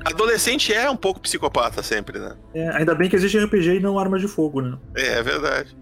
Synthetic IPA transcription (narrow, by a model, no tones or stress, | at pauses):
ad̪olesẽnt͡ʃɪɛũpowkʊ̥pi̥sikopat̪ɐsẽmpɾɪnɛ̰ | ɛa̰ĩnd̪ɐbẽj̃k̬ɪeziʃt͡ʃɪ̃ɛhɪpeʒeɪnɐ̃w̃aɾmɐzd͡ʒɪfoɡʊnɛɛ̰ɛ̰vḛɾd̪a̰d͡ʒɪ